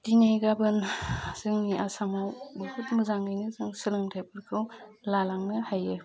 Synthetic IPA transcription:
d̥inajɡabɯnzɯŋniʔasaŋawbɯhutmɯzaŋnɯjnɯzɯŋsɯɾɯŋtʰajpʰɯɾkʰɯw | lalaŋnɯhajɯ

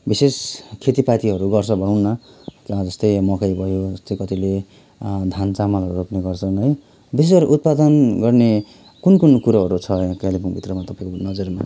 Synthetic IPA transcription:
biseskʰet̪ipat̪iɦʌɾuɡʌrt͡sʰʌbʱʌɽʌwnːʌkd͡zʌst̪ʌjmʌkajbʱʌjod͡zʌst̪ʌjkʌt̪ile | d̪ʱant͡samalɦʌɾuɾopneɡʌrt͡sʰʌnɦʌj | bisesʌɾuʔut̪̚pad̪ʌnɡʌrne | kunkunkuɾʌɦʌɾut͡sʰʌãkalipʰunbʱit̪rʌmat̪ʌpaĩkonʌd͡zʌrma

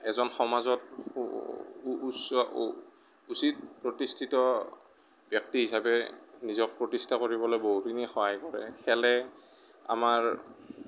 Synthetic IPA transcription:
ɛzɔnxɔmazɔt | sɔ̰ | usit̚pɹotistʰitɔ | bjɔk̚tiɦisabɛnizɔk̚pɹotistʰakoɹibɔlojboɦutinixɔɦajkɔɹɛ̰xʰɛlɛ | a̰maɹ

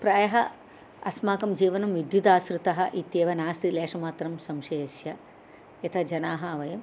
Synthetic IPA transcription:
pɾaːjɐɦɐ | ɐsmaːkɐmd͡ʒiːʋɐnɐmʋid̪jud̪aːsɾut̪ɐɦɐʔit̪jeːʋɐnaːst̪ileːʂɐmaːt̪ɾɐmsɐmʃɐjɐsjɐ | jɐt̪ʰɐd͡ʒɐnaːɦɐɐʋɐjɐm

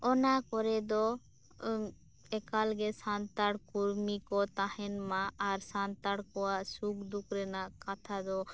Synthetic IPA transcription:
ɔnakɔɾɛd̪ɔ | ɛkalɡɛsant̪aɽkuɾmikɔt̪ahɛnmaaɾsant̪aɽkɔwasukd̪ukɾɛnakat̪ʰad̪ɔ

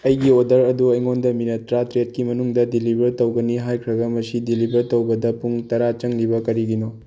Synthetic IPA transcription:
ɐjɡiodɐɾɐduɐjŋondɐminɐtɾatɾet̚kimɐnuŋdɐdilibʱɐɾtowɡɐniɦajkʰɾɐɡɐmɐsidilibʱɐɾtowbɐdɐpuŋtɐɾat͡ʃɐŋlibɐkɐɾiɡino

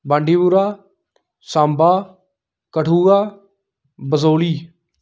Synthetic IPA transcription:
bãːɳɖiːbuɾaː | sãːmbaː | kəʈʰuːaː | bəzoːliː

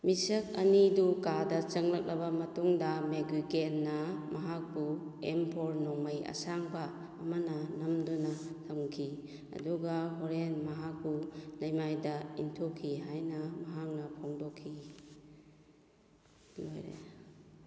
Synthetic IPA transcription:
misɐk̚ɐnidukadɐt͡ʃɐŋlɐk̚lɐbamɐtuŋdɐmeɡɾikenːɐmɐɦak̚buempʰoɾnɔŋmɐjɐ̰saŋbaː | mananɐmdunatʰɐmkʰi | ɐ̰duɡaɦɔɾenmɐɦak̚bulɐjmajdɐintʰokʰiɦajnɐmɐɦak̚nɐpʰoŋdɔkʰːi | lojɾḛ

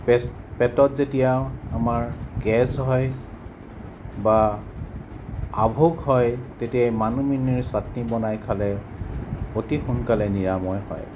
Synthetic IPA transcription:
p | pɛtɔtzetijaamaɹɡɛzɦɔj | ba | bʱoɡhɔjtetijamanuminiɹsatnibɔnajkʰalɛ | otixunkalɛniɹamɔjhɔ̰j

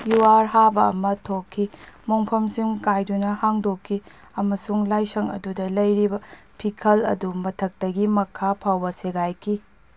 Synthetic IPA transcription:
juwaɾɦabɐ̰ːmɐtʰokʰːimoŋpʰɐmsiŋkajdunɐhaŋdokʰːi | ɐmɐsuŋlajsɐŋɐ̰dudɐlɐjɾibɐ | pʰikʰɐlɐ̰dumɐtʰɐk̚tɐɡimɐkʰapʰawbɐseɡajkʰi

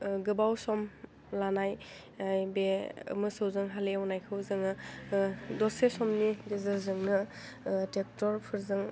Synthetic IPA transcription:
ɡɯbawsɔm | lanaj | ajbeɯ̰mɯsɯwzɯŋɦaleawnajkʰɯwzɯŋɯ | dɔsesɔmnidezɯzɯŋnɯ | tek̚tɔɾpʰɯɾzɯŋ

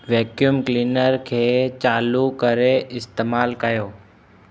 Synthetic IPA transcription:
ʋɛːkjumklinəɾkʰeːt͡ʃaːlukəɾeʔɪst̪eːmaːlkəjoː

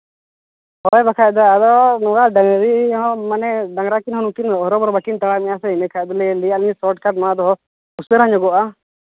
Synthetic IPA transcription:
hɔjbakʰajd̪aad̪ɔnɔɡaɖaŋɾiɦɔ̃manɛɖaŋɡɾakinɦɔnukinɔɦɾɔbɔɾbaʈint̪aɽamɛjasɛimɛkʰad̪ɔlɛlijaliɲsɔʈkʰad̪mad̪ɔɦɔ | usɛɾaɲɔɡɔʔa

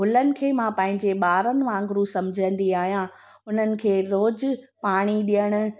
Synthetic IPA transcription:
ɦʊlənɪ̆kʰeːmãːpɐ̃ɦɪ̃ɲd͡ʑeɓaːɾənɪ̆ʋãːŋɡɾusɐ̃md͡ʑʱə̃n̆d̪iaːɦijã | ʊn̤ənɪ̆kʰeːɾoːd͡ʑpaːɽ̃iɗijəɽ̃ʊ̆

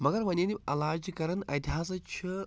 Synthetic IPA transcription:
mɐɡɐɾʋɐnʲeniɐlaːd͡ʒkɐɾɐnɐt̪ʲiɦaːs̬ɐt͡ʃʰi

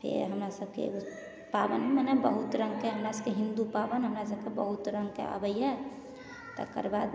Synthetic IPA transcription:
pʰḛɾɦəmɾasəbkḛ | pabə̰nɦɛmanɛbəɦut̪ɾəŋɡkeɦəmɾasəb̚keɦind̪upabənɦəmɾasəb̚kebəɦut̪ɾəŋɡkḛa̰bəjɛ | t̪ə̰kə̰ɾbad̪

